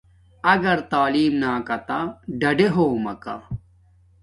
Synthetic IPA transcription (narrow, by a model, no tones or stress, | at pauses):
ɐɡɐɾt̪aːliːmnaːkɐt̪aɖɐɖeɦoːmɐka̰